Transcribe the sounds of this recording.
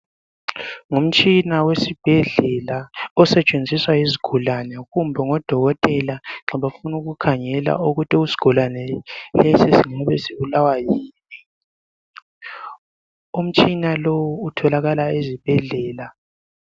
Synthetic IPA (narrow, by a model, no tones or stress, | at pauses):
ŋum̩t͡ʃʼinawesib̥ʱɛɮɛlaɔsɛt͡ʃʼend͡zʱiswaiziɡ̥ʱulanɛɣumbʱɛŋɔd̥ʱɔɣɔtʼɛlaŋ͡ǁɔβafunuɣukʰaŋɛla̰uɣutʼiusi̥ɡ̥ʱulanɛlɛsisiŋaβɛsiβulawajiːni | um̩t͡ʃʼinalowuːtʰɔlaɣalaezib̥ʱɛɮɛːla